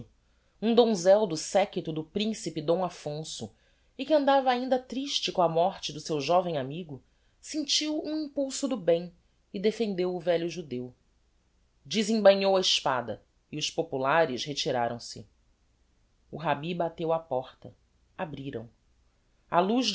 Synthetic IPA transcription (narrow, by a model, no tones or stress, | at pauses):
ũd̪õzɛwd̪ʊsɛkit̪ʊd̪ʊpɾĩsipɪd̪õw̃afõsʊ | ɪkɪɐ̃nd̪avɐaĩnd̪ɐt̪ɾiʃt͡ʃɪkõɐmɔχt͡ʃɪd̪ʊsewʒɔvẽj̃amiɡʊ | sĩnt͡ʃiwũĩpuwsʊd̪ʊbẽj̃ | ɪd̪efẽnd̪ewʊvɛʎʊʒud̪ew | d͡ʒizĩŋbɐɲowɐɪʃpad̪ɐ | iʊʃpopulaɾɪʃɦet͡ʃiɾa̰ɾɐ̃w̃sɪ̰ | uɦabibat̪ewapɔχt̪ɐ | abɾiɾɐ̰̃w̃ | a̰luʒ